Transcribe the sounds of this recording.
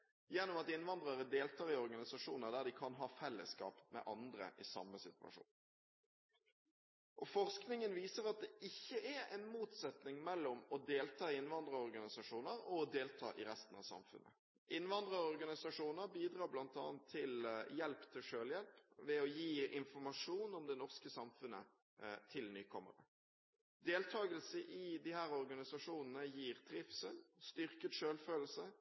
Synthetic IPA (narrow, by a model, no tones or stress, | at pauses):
jɛnːʊmɑt̪ɪnʋɑnd̪ɾɑɾəd̪eːlt̪ʰɑːɾɪɔʁɡɑnɪsɑʂuːnəɾd̪æd̪ɪkʰɑnɦɑːfɛlːə̰skɑ̰ːpmɛ̰ʔɑnd̪ɾə̰ʔɪsɑ̰mːəsɪt̪ʉʋɑ̰ʂṵːn | ʔɔfɔʁsknɪŋənʋiːsəɾɑt̪̚d̪ɛʔɪçːəʔæɾɛɪnmuːt̪sɛt̪nɪŋmɛlːɔmɔd̪eːlt̪ʰɑːɪnʋɑnd̪ɾəɔʁɡɑnɪsɑʂuːnəɾɔɔd̪eːlt̪ʰɑ̰ːʔɪɾɛst̪ən̩ɑ̰ʋsɑ̰mfʉ̰nʔə̰ | ʔɪnʋɑnd̪ɾəɔʁɡɑnɪsɑʂuːnəɾbiːd̪ʁɑːblɑnt̪ʰɑ̰ːənt̪ʰːɪljɛlpt̪ʰɪlʂøːljɛlpʋɛɔjiːɪnfɔɾmɑʂuːnɔmd̪ɛnɔʁskəsɑmfʉnːə̰ | t̪ʰɪlnyːkʰɔmːə̰ɾə̰ | d̪eːlt̪ʰɑːɡəlsəʔɪd̪ɪhæːɾɔɾɡɑnɪsɑʂuːnənəjiːɾt̪ʰɾɪfsəlst̪ʏɾkət̪ʂøːlføːl̩sə